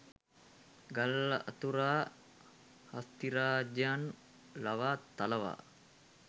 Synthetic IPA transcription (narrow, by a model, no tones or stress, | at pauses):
ɡalːɐʔat̪uɾaː | hast̪iɾaːd͡ʒaan | laʋaːt̪aləʋa̰ː